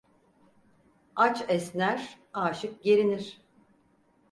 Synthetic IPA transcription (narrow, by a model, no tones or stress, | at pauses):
at͡ʃɛsnæɾ̥ | aːʃɯk̚ɟeɾiniɾ̥